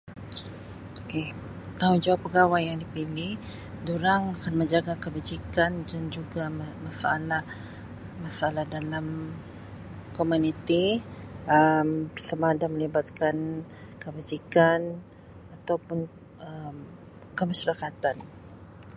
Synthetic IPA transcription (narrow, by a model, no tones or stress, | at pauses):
oke | t̪aʊnd͡ʒawapːəɡawajaŋdipilih | duɾaŋakanməɲd͡ʒaɡakəbad͡ʒikandand͡ʒuɡamasaa̰lah | masaalahdalam | komunit̪i | əmsamadaməlibat̪̚kankəbad͡ʒikan | at̪awpʊn | əm | kəmaʃaɾakat̪an